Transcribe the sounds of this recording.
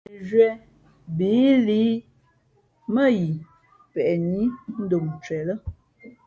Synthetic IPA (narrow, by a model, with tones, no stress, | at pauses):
ʒwɛ˨ | bi˨˦liː˨˦ | mə˦ji˨ | pɛ˨ʔni˦n̩˦do˨ŋt͡ʃɥɛ˨lə˦